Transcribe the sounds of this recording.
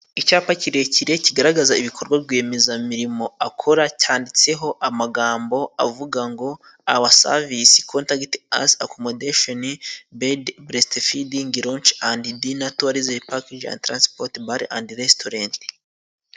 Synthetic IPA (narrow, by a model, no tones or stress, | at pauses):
icaːpaciɾe̞ciɾe̞ciɡaɾaɡazaiβikʰo̞ɾɡwabɡe̞ːmezamiɾimo̞akʰoɾacaːndit͡se̞ɦo̞ʔamaɡaːmbo̞a̰vuɡaŋɡo̞ | aβasa̰visi̥kʰontakta̰sa̰kʰomodeʃonibedbɾestefidiŋɡiɾont͡ʃandidinatuaɾizepakid͡ʒa̰ntɾanspoɾtbaɾiʔa̰ndiɾestoɾant